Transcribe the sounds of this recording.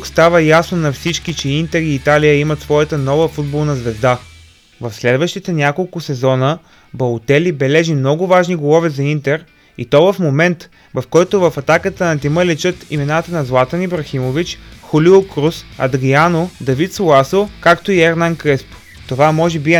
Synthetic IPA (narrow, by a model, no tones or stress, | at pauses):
kst̪avəjasnonɐfsit͡ʃkit͡ʃɛint̪ɛɾiːt̪alijəimɐt̪svɔjət̪ənɔvəfud̪̚bolˠnɐzvɛzd̪a | vɐfslɛd̪vəʃt̪it̪ɛnʲakolˠkʊsɛzɔnə | bɐlˠt̪ɛlibɛlɛʒimnɔɡʊvaʒniɡolˠɔvɛzɐint̪ɛɾ | ḭt̪ɔvɐfmomɛnt̪ | vɐfkɔjt̪ʊvɐfɐt̪akət̪ənɐt̪iməlit͡ʃət̪imɛnat̪ənɐzlˠat̪ənibɾɐximovit͡ʃxʊliokɾusɐ̰d̪ɾianod̪ɐvit̪solˠasokakt̪oiɛɾnankɾɛspʊ̥ | t̪ovamɔʒɛbi